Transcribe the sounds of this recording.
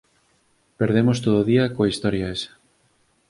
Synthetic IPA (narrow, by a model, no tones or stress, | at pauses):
peɾðemost̪oðoðiɐkoist̪ɔɾjaes